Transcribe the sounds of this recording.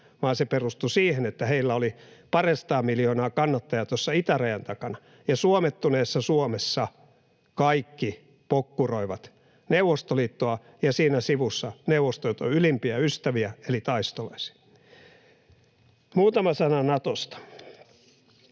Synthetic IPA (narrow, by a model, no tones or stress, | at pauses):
ʋɑːnseperust̪usiːhenet̪ːæheilːæolipɑresɑ̥t̪ɑːmiljoːnɑːkɑnːɑt̪ːɑjɑt̪osːɑit̪æræjænt̪ɑkɑnɑ | jɑsuomet̪ːuneːsːɑsuomesːɑ | kɑikːi | pokːuroiʋɑt̪ | neuwʋːˑost̪oliːt̪ːoɑ | jɑsiːnæsiʋusːɑneuʋost̪ojot̪o̰ylimpiæyst̪æʋiæelit̪ɑist̪olɑisi̥ɑ | muːt̪ɑmɑsɑnɑnɑt̪ost̪ɑ̥